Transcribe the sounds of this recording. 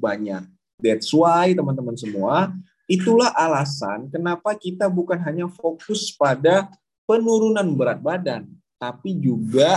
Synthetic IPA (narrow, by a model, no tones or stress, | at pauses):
baɲa̰k̚ | dɛt̪̚suajt̪əmənt̪əmənsəmua | it̪ulahʔalasa̰nkənapakit̪abukanɦaɲafokʊspada | pənuɾunanbəɾat̪̚badan | t̪apid͡ʒuɡa